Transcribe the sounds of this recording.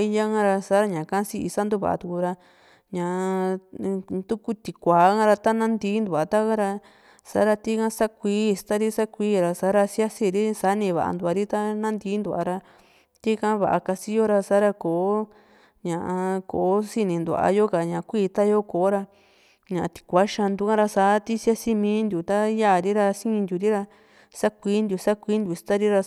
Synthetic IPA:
i˧ja˦ŋã˦ɾa˧sa˦ɾa˧ɲã˨kã˦si˦ḭ˧sa˦nd̪u˦βa̰˨ʔa̰˧t̪u˧ku˧ɾa˧ | ɲã˧˨˧ | t̪u˦ku˦t̪i˨kʷaː˨˦ã˦ɾa˧t̪a˦nã˦nd̪iː˧˦nd̪u˨a˨t̪a˦ka˦ɾa˧ | sa̰˨˦ɾa˧t̪i˦kã˦sa˦kʷiː˦˧st̪a˦ɾi˦sa˦kʷiː˦ɾa˧sa˨˦ɾa˧sja˦si˧ɾi˦sa˦nĩ˧βa̰˨ʔa̰˧nd̪u˧˨a˧ɾi˦t̪a˦nã˦nd̪iː˧˦nd̪u˧˨a̰˧ɾa˧ | t̪i˦kã˦βa̰˨ʔa̰˧ka˧si˦jo˦ɾa˧saː˦ɾa˧koː˨˦ | ɲã˨ʔa˧ko˨˦si˧nĩ˧nd̪u˧˨a̰˧jo˦ka˨ɲã˨˧kʷiː˦˧t̪a˦jo˦koː˨˦ɾa˧ | ɲã˨˧t̪i̥˧kʷa˦ʃã˧nd̪u˧kã˦ɾa˧saː˨˦t̪i˦sja˦si˧mĩː˧˦nd̪ju˨t̪a˦ja˦˨ɾi˦ɾa˧sĩ˦˧nd̪ʲu˧˨ɾi˦ɾa˧ | sa˦kʷiː˦nd̪ʲu˨sa˦kʷiː˦nd̪ʲu˧˨st̪a˦ɾi˦ɾa˧

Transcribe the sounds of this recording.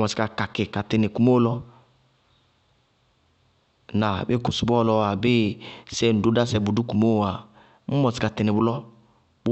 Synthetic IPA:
mɔ˨i̥˨ka˨ka˨kɪ˨ka˨tɪ˨nɪ˨ku˨mo˦lɔ˦ | na˨bɪ˦kʊ˨su˨bɔ˦lɔ˧wa˨be˦sɛ˦˨n̩˨du˨˦da˦sɛ˧bu˨du˦ku˨mo˦˨wa˨ | mu˦mɔ˨sɪ̥˨ka˨tɪ˨nɪ˨bʊ˨lɔ˦ | b

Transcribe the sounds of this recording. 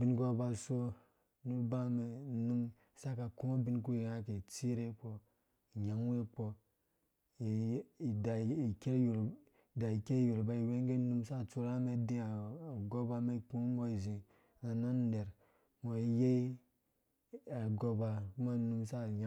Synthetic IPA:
bi˨n˦ko˦ba˨so˦ | nu˦ɾba˦me˨˦nu˦m | sa˦ka˨ku˦ma˦bi˦nk̬u˦i˨a˦ke˨t͡si˦ɾe˦k͡po˦˨ | ɲa˨˦ŋ˦we˦k͡po˦˨ | da˨i˨ke˦ju˨ɾ | da˨i˨ke˦ju˨ɾba˦i˨we˦ŋɡe˦nu˦msa˦˨t͡su˦ɾa˦me˦di˦a˨ɡo˦ba˦me˦ku˦mo˦i˨zĩ˨ | na˨na˦n˦de˨ɾ | mo˨i˨˦je˦i˦ | a˨ɡo˦ba˨ku˦ma˦nu˦msa˦˨ɲa˦

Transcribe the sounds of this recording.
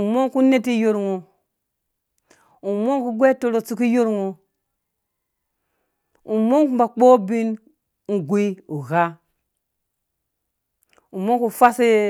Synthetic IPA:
u˨mo˦ŋku˦ne˦ti˦jo˦ɾŋo˨ | u˨mo˦ŋku˦ɡʷe˦to˨lo˨t͡su˦ki˦jo˦ɾŋo˨ | u˨mo˦ŋku˦ba˨k͡po˦bi˦n | ŋ̩˨ɡʷi˦u˨ɣa˦ | u˨mo˦ŋ˦ku˦fa˦si˦

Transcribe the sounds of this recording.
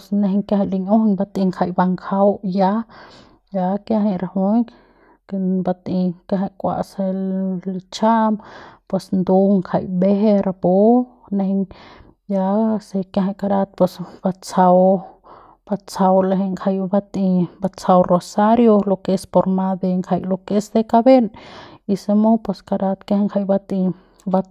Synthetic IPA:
sne˧ɦɲkja˧a˧˨li˧ɲu˦hɲba˧t̪i˧ŋkʰa˧jba˧ŋkʰa˧˦wja˧˦ | ja˧kja˦ɦa˧ɾa˧hu˦j | ke˧ba˧t̪i˧kja˧ɦa˧jkʷa̰˧ʔsa˧li˧t͡ʃa˦mpwe˧snd̪u˧ŋkʰa˧jbe˦ɦe˧ɾa˧bu˦ | ne˧hɲ | ja˧se˧ke˧ɦa˧jka˧ɾa˧t̪̚pwe˧sb̥a˧t͡sa˧w | b̥a˧t͡sa˧wle˧ɦe˧ŋkʰa˧jba˧t̪i˧ba˧t͡sa˧wro˧sa˦ɾjo˧lo˧ke˧spo˧ɾma˧d̪e˧ŋkʰa˧jlo˧ke˧˦sd̪e˧ka˧be˦ni˧se˧mo˦pwe˧ska˧ɾa˧t̪ke˦hŋkʰa˧˨jba˧t̪i˧ | ba˧

